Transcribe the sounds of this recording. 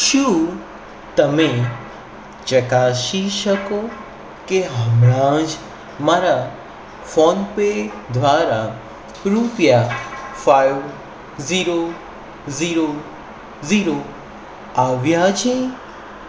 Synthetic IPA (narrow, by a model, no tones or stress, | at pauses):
ʃũ | t̪əmẽ | t͡ʃəkaːʃiʃəko | keɦəmɾãd͡ʒ | maɾa | fonpe | d̪ʱʋaːɾa | ɾupjafajʋ | ziɾo | ziɾo | ziɾo | aʋjat͡ʃʰẽ